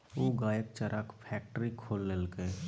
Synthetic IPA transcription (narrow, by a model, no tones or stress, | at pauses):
oːɡaːjək̚t͡ʃəɾʔaːkpʰɛːk̚ʈəɾikʰoːlːeːlke